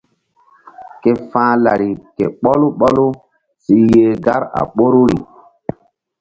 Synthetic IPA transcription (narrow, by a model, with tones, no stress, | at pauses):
ke˨fãː˦la˨ɾi˨kḛ˨ɓɔ˦lu˦ɓɔ˦lu˦ | si˦jeː˦ɡa˦ɾa̰˨ɓo˦ɾu˦ɾḭ˨